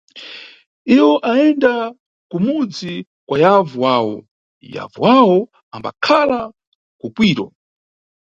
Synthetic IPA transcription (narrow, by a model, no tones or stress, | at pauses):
iwɔʔaɛnda | kumud͡zi | kwajavuwaːwɔ̰ | ja̰vṵwawɔ | amba̰kʰala | kupwiːɾɔ